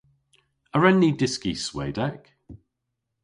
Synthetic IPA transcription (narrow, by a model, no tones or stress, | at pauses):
əɹɛnːidɪskisweːdɛk